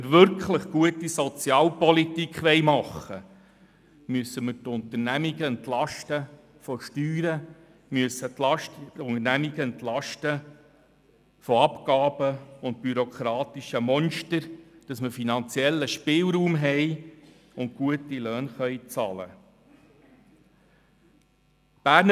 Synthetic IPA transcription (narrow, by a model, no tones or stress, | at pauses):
əɾʋʏɾkʰχləχɡ̥uətisɔt͡sjɑːlpɔlitikχʋɛɪmɑχə | myəsəmətʊntərnæmiɡəɛntlɑʃtə | fɔʃtyːɾə | myəsəɑʊŋəɾnæmiɡ̥əɛnt̪lɑʃtə | fɔɑpkɑːb̥əʊntpyɾokʰɾɑːt̪iʃəmɔnʃtəɾd̥ɑsməfinɑnt͡sjɛlːəʃpɪːlɾuːmɦɛj | ʊnt̚kuətilœːnχœjt͡sɑlə̰ | b̥æːɾn